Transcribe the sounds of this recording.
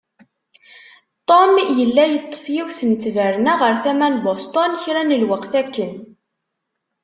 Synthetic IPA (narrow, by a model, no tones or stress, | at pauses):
t̪ˤomjəlːæjət̪ˤːə̥fjiwθnt͡sːvəɾnæʁəɾθæmænbost̪ˤɔnçɾænəlwəqθækːən